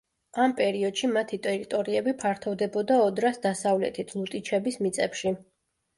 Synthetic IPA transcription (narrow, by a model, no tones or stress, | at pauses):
ampʼɛɾiɔd̪̥ʃimat̪ʰit̪ʼɛɾit̪ʼɔɾiɛbipʰaɾt̪ʰɔvd̪ɛbɔd̪aɔd̪ɾasd̪asavlɛ̰t̪ʰit̪ʰlˠut̪ʼit͡ʃʰɛbismit̪sʼɛpʃi